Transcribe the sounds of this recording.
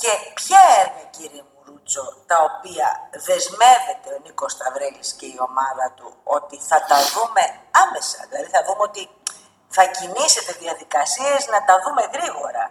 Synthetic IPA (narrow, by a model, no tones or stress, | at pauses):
ce̞pçɐeɾɣɐciɾiemuɾut͡so̞t̪ɐo̞piɐ̰ðe̞zme̞ve̞t̪e̞o̞niko̞st̪ɐvɾe̞lisce̞io̞mɐðɐt̪uo̞t̪iθɐt̪ɐðume̞ɐme̞sɐ̰ðilɐðiθɐðumeo̞t̪i | θɐcinise̞t̪e̞ðiɐðikɐsieznɐt̪ɐðume̞ɣɾiɣo̞ɾɐ̰